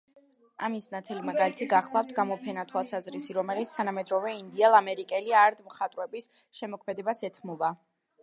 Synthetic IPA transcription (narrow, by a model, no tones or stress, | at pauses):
amisnat̪ʰɛlimaɡalit̪ʰiɡaχlˠaft̪ʰɡamɔpʰɛnat̪ʰwalˠsazɾisiɾɔmɛlit̪sʰt̪ʰanamɛd̪ɾɔvɛind̪iɛlˠamɛɾikʼɛliaɾd̪mχat̪ʼɾwɛbis | ʃɛmɔkʰmɛd̪ɛbasɛt̪ʰmɔba